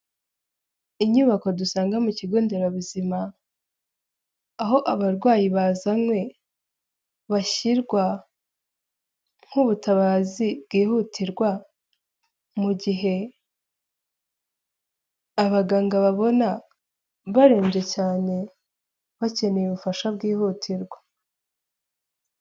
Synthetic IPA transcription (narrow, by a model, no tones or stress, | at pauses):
iɲuβako̞dusaːŋɡamuciɡoːnde̞ɾaβuzima | ɦo̞ʔaβaɾɡwaːjiβazamwe̞ | βaʃiɾɡwa | ŋ̥huβutaβaːzibɡiːhutʰiɾɡwa | muɟiɦe̞ | aβaɡaːŋɡaβaβo̞na | βaɾe̞ːmɟe̞caːne̞ | βace̞nejuβufaʃabɡiːhuːtʰiɾɡwa